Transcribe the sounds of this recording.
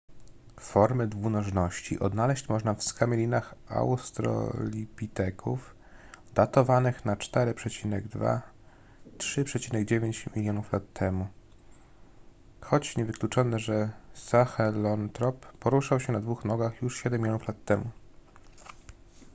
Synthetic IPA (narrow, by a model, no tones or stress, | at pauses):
fɔɾmɘd̪vunɔʐnɔɕt͡ɕḭʔɔd̪nalɛɕt͡ɕmɔʐnafskamʲɛlʲinaxa̰wst̪ɾɔ̰lʲipʲit̪ɛkʰuf | d̪̥at̪ɔvanɘxnat͡ʂt̪ɛɾɘpʂɛt͡ɕinɛɡd̪va̰ | tʂɘpʂɛt͡ɕinɛɡd͡ʑevʲjeɲt͡ɕmʲilʲjɔnuflat̪ːɛmu | xɔt͡ɕɲɛvɘklʲut͡ʂɔnɛʐɛsaxɛlɔnt̪ɾɔpːɔɾuʂawɕɛnad̪vuxnɔɡaxjuʂɕɛd̪ɛmʲːilʲjɔnuflat̪ːɛmu